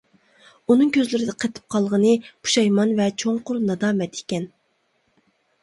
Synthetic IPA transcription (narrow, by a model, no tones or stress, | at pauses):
unɨŋkʲøzlɪɾɪd̪ɛqʰət̪ʰɨ̥p̚qʰɑlˠʁənɨpʰu̥ʃɑjmɑnvɛt͡ʃʰoŋqʊɾnɑd̪ɑːmɛt̪i̥kʲɛn